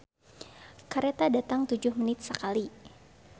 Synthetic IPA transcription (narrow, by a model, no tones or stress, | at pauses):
kaɾet̪adat̪aŋt̪ud͡ʒʊhmənɪt̪̚səkali